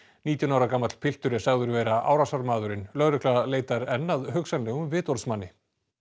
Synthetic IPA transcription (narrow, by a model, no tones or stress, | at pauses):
niːt̪jʏnawɾakaːmat̪l̥pʰɪl̥t̪ʏɾɪsaɣðʏɾvɛːɾaʔa̰wɾasaɾmaːðʏɾɪnlœɣɾʏklaleːjt̪aɾɛnːaðɦœksanlɛɣʏmvɪːt̪ɔɾsmanːɪ